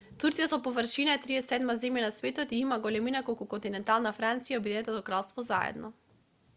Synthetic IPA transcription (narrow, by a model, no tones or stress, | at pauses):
t̪uɾt̪sijasɔpovəɾʃinaɛt̪ɾiɛsɛd̪mazɛmjanasvɛt̪ɔt̪iimaɡɔlɛminakolˠkukɔnt̪inɛnt̪alˠnafɾant̪sijaɔbid̪ɛnɛt̪ɔd̪ɔkɾalˠst̪vɔza̰ɛ̰d̪nʔɔ